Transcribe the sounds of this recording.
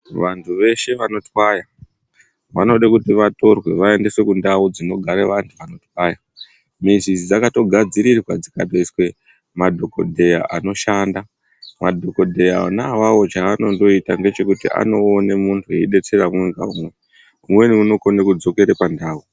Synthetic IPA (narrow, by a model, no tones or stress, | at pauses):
ʋantʰuʋe̞ʃe̞ʋano̞twaja | ʋa̰no̞ɗakutiʋato̞rwe̞ʋae̞ndeswe̞kundaud͡zino̞ɡʱaɾeʋantʰuʋano̞twaja | minsizid͡zakato̞ɡʱad͡ziɾirwad͡zikatoiswe̞ | madʱo̞ko̞dʱe̞jaʔano̞ʃanda | madʱo̞ko̞dʱe̞jaa̰naʋawo̞t͡ʃaːno̞ndo̞itanɡe̞t͡ʃe̞kutiʔa̰no̞ːnemuntʰujeiɗe̞t͡se̞ɾamweŋɡa̰umwe | umwe̞niuno̞ko̞nekud͡zo̞ke̞ɾepandaːu